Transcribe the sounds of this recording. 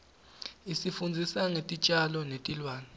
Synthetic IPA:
isifund͡zʱisaŋetʼit͡ʃʼalɔnetʼilwaːni

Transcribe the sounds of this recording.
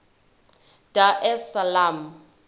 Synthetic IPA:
d̥aʔɛsalam̩

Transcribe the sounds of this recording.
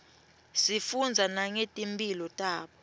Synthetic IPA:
sifund͡zʱanaŋetʼimpʼilɔtʼaːɓɔ

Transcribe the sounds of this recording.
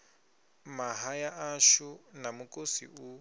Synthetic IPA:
maɦajaʔaʃunamukʼosḭu

